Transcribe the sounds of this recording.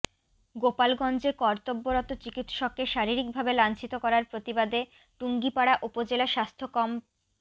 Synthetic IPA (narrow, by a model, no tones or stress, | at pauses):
ɡopalɡɔnd͡ʑekɔɾt̪obːoɾɔt̪ot͡ɕikit̪ʃɔkːeʃaɾiɾik̚bʱabelant͡ɕʰit̪okɔɾaɾpɾot̪ibad̪e | ʈuŋɡipaɽaʔupod͡ʑelaʃast̪ʰokɔm